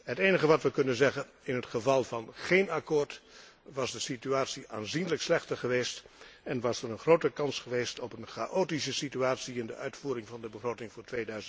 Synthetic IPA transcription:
ɦəteːnəɣəʋɑtʋəkɵnənzɛɣən | ɪnɦətχəvɑlˠvɑnχeːnakʊːɹt | ʋɑzdəsityaːtsiʔaːnzinələkslɛχtəɹχəʋeːst | ɛnʋɑsərənχrowtəkɑnsχəʋeːstɔpənχaʔoːtis̬əsityaːtsiɪndə̰œɥtfuːɾɪŋvɑndəbəχroːtɪŋvʊːɹtʋeːdœɥzə

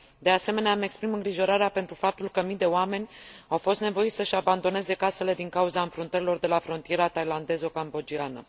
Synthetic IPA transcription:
d̪e̞ase̞me̞neaːme̞kspɾimɨŋɡɾiʒo̞ɾaɾeape̞nt̪ɾufap̚t̪ulkəmijd̪e̞oame̞nʲawfo̞st̪ne̞vo̞it̪səʃaband̪o̞ne̞ze̞kase̞le̞d̪iŋkauzaɨnfɾunt̪əɾilo̞rd̪e̞lafɾo̞nt̪ije̞ɾat̪ajland̪e̞zokambo̞d͡ʒianə̰

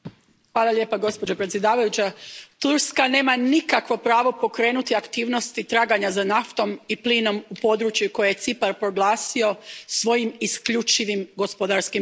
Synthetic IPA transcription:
xʋaːlˠalʎje̞ːpaɡo̞spo̞d͡ʑopɾe̞t̪sjed̪aːʋajut͡ɕat̪uɾskane̞ːmanikakʋo̞pɾaːʋo̞po̞kɾe̞ːnut̪iakt̪iːʋno̞st̪it̪ɾaːɡaɲazanaft̪o̞mipliːno̞mupo̞d̪ɾut͡ʃjuko̞jeje̞t̪sipaɾpɾo̞ɡlˠaːsio̞sʋo̞jimiskʎut͡ʃiʋimɡo̞spod̪aɾskim

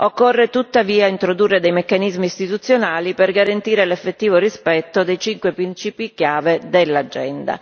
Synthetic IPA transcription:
okːorːet̪ut̪ːaviːaint̪ɾod̪urːed̪ejmekːanizmiːst̪it̪ut̪sːjonaːliperɡaɾant̪iːɾelefːet̪ːiːvorispɛt̪ːod̪ejt͡ʃiŋkwepɾint͡ʃiːpik̟jaːved̪elːad͡ʒːɛnd̪a̰

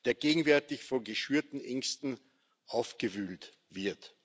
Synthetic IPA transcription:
d̥eːɐɡ̥eːɡŋ̩vɛɐtɪçfɔnɡəʃyːɐtn̩ʔɛŋstn̩ | ʔaʊfɡ̥əvyːlt | v̥ɪɐt

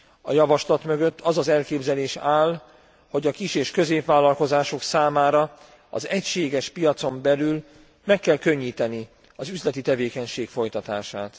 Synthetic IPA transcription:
ɒjɒvɒʃlɒt̪mø̞ɡø̞t̪ːʰɒzɒzɛlkeːbzɛleːʃaːl | ho̞ɟɒkiʃeːʃkø̞zeːpʋaːlːɒlko̞zaːʃo̞ksaːmaːɾɒ | ɒ̰zɛcʃeːɡɛʃpijɒt̪so̞mbɛlyl | mɛkːɛlkø̞ɲːiːt̪ɛni | ɒzyzlɛt̪it̪ɛveːkɛɲʃeːkfo̞jt̪ɒt̪aːʃaːt̪

